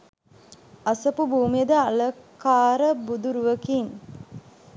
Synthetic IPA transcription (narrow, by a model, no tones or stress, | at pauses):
asəpubʱuːmijəd̪əaləkaːɾəbud̪uɾuʋəkiŋ